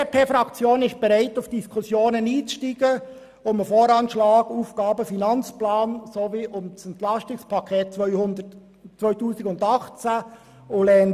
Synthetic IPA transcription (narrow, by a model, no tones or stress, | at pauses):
epʰeːfɾɑkt͡sjoːnɪʃt̚b̥ɛɾaɪtʊfd̥iskʰʊsjoːnəniːt͡sʃtiːɡ̥ə | ʊməfoːɾɑnʃlɑːɡuːfɡ̥ɑːbəfinɑnt͡splaːnsoviːʔʊmsɛnt̪lɑstɪspʰɑkʰeːt̚t͡sœʏhʊnd̪ə | t͡sʋœʏtuːsɪɡʊndɑχt͡sa | ʊlɛn